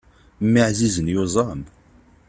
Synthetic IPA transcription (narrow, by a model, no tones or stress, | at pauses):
mːəʕzizənjozˤɑm